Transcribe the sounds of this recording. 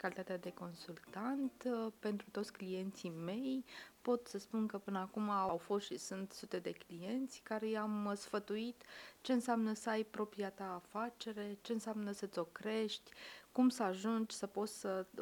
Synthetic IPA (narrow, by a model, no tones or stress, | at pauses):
kalit̪at̪ead̪e̞ko̞nsult̪ant̪pe̞nt̪ɾut̪o̞t̪sʲklije̞nt̪sime̞jpo̞t̪səspunkəpɨnəakumaːwfo̞st̪ʃisunt̪sut̪e̞d̪e̞klije̞nt̪sʲkaɾejamsfət̪uit̪t͡ʃe̞ɨnsɪamnəsəajpɾo̞pɾiat̪aːfat͡ʃe̞ɾe̞t͡ʃe̞ɨnseamnəsət̪sʲo̞kɾe̞ʃt̪ʲkumsəaʒund͡ʒʲsəpo̞t̪ssə